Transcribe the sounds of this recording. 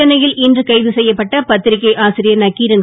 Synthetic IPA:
ɐnɐjɪlɪndrɯkɐɪðɯsɛjːɐpːɐʈːɐpɐt̪ːɪɾɪkːɐɪʔaːsɪɾɪjɐnɐkiːɾɐn

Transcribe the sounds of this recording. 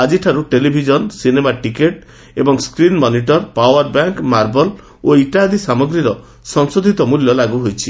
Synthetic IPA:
ad͡ʒiʈʰaɾuʈelibʱid͡ʒɔnsinemaʈikeʈ | ebɔŋskɾinmɔniʈɔɾpawɔɾbaŋkmaɾbɔl | oiʈad̪isamɔɡɾiɾɔ | sɔŋsod̪ʱit̪ɔmuljɔlaɡuɦojt͡ʃʰi

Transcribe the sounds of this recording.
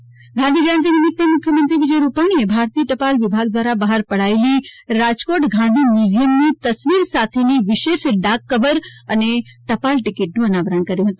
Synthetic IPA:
ɡʱãnd̪ʱid͡ʒaənt̪inɪmɪt̪ːemʊkʰjəmɐ̃nt̪ɾikid͡ʒeɾupaːɽ̃iebʱaːɾt̪iːəʈɐpaːlʋɪbʱaːɡd̪wʋaːɾabaːɦəɾpɐɽ̤aːiliɾaːd͡ʒkoːɾʈɡʱãn̆d̪ʱimjuːzijəmnit̪ɐsʋiːɾsaːt̪ʰeniʋɪʃeːʃɖaːkːɐʋəɾɐneʈɐpaːlʈɪkeːʈ̚nũɐnaːʋəɾəɳ̃kɐɾijõɦɐt̪ũ

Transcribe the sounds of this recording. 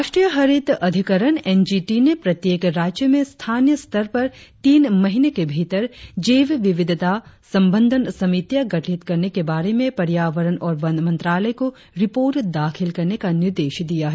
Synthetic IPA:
aːʃʈɾijəɦɐɾɪt̪ɐd̪ʱɪkəɾənɛːnd͡ʒiːʈinepɾɐt̪jeːkɾaːd͡ʒjəmẽst̪ʰaːnjəst̪əɾpɐɾt̪iːnmɐɦɪnekebʱiːt̪əɾd͡ʒeːʋʋɪʋɪd̪ʱt̪asɐ̃mbə̃nd̪ʱənsɐmit̪jaɡɐʈʰɪt̪kɐɾnekebaːɾemẽpɐɾjaːʋəɾənɔːɾʋɐnd̪mɐ̃nt̪ɾaːləjko | ɾɪpoːɾʈd̪aːkʰɪlkɐɾnekanɪɾd̪eːʃd̪ijaɦɛ

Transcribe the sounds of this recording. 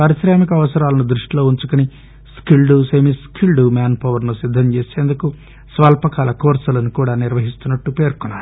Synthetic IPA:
pɐɾisɾaːmik̬ɐɐʋɐsɐɾaːlɐnud̪ɾuʂʈilo̞ːuɲt͡ʃukuni | skilɖuseːmiskʰilɖumaːnpɐʋɐɾnusid̪ʱːɐɲt͡ʃeːse̞ːnd̪uku | sʋaːlpɐkaːlɐkoːɾsɐlɐnukuːɽaːniɾʋɐɦist̪unːɐʈːupe̞ːɾkunːaːɾ

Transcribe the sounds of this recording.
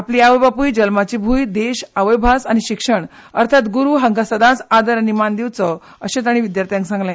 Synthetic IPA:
apliaʋəjbapujd͡ʑəlmat͡ɕibʱuːjd̪eɕaʋəjbʱasañiɕikʂəɳ | əɾt̪ʰat̪ɡuɾuːɦəŋɡasəd̪ãt͡sad̪əɾanimand̪iwt͡sə | əɕẽt̪aɽ̃iʋid̪jaɾt̪ʰijãŋksãŋɡlɛ̃

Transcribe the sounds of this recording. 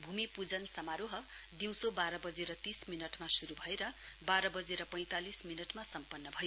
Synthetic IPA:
bʱumipud͡zʌnsʌmaɾoɦʌ | d̪iw̃sobaɾʌbʌd͡zeɾʌt̪isminʌʈmasuɾubʱʌeɾʌ | baɾʌbʌd͡zeɾʌpʌj̃t̪alisminʌʈmasʌmpʌnːʌbʱʌj

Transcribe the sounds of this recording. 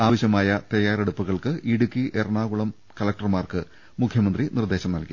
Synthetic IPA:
aːʋɐɕjɐmaːjɐt̪ɐjaːreɽupːuɣɐɭkɨʔiɽukːiʔerɳaːɣuɭɐm | kɐlɐk̚ʈɐrmaːrkɨ | mukʰjɐmɐnd̪rinird̪eːɕɐmnɐlki

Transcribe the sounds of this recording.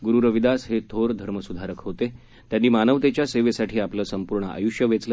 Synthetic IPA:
ɡuɾuɾəʋid̪asɦet̪ʰoɾd̪ʱəɾməsud̪ʱaɾəkɦot̪e | t̪janːiːmanəʋt̪et͡ɕjaseʋesaʈʰiːapləːsəmpuɾɳəa̰juʂjəʋet͡slə

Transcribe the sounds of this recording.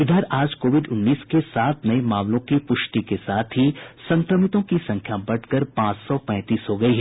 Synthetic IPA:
ɪd̪ʱəɾaːd͡ʒkoːʋɪɖʊnːiːskesaːt̪̚ʰnɐemaːmlõkipʊʃʈikesaːt̪ʰɦisɐ̃ŋkɾəmɪt̪õkisɐ̃ŋkʰjabɐɽʰkəɾpãːt͡ʃsɔpɛ̃ːt̪iːsɦoɡɐiɦɛ

